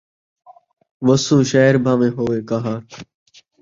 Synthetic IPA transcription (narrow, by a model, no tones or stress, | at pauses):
ʋəsũːʃaːɦɪɾbʱãːʋẽːɦoːʋeːkaɦaː